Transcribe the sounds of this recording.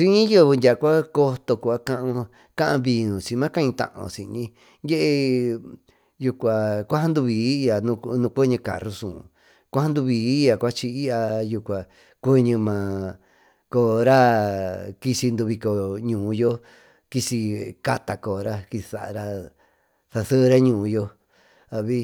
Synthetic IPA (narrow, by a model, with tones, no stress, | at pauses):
t͡ʃĩ˦ĩ˦jo˦˨˧ndʲa˨˧kʷa˦ko˧t̪o˧ku˧˨a˦kã˦ʔã˧ | kã˦ʔã˧βi˧nũ˨t͡ʃĩ˧mã˦kã˦ĩ˧t̪ã̰˧ʔã̰˧˨sĩ˧nĩ˧ | je˦ʔe˧ | ju˧kʷa˨kʷa˦ha˦nd̪u˧βiː˨˦˧a˨nũ˧nũ˧kʷe˦ɲũ˧ka̰˨ru˧sũ˨ | kʷa˦ha˦nd̪u˧βiː˨˦ja˨kʷa˦t͡ʃi˧i˦ʔa˧ju˧kʷa˨ | kʷe˦ɲɨ̃˧mã˨ | ko˧˨ɾa˦ | ki˧si˧nd̪u˧βi˧ko˧˨ɲũː˨˧jo˦ | ki˧si˧ka˧t̪a˧ko˨ɾa˦ki˧sa˨ʔɾa˧ | θa˧θə˦˧ɾa˦ɲũː˧˨˧jo˧ | a˧βi˦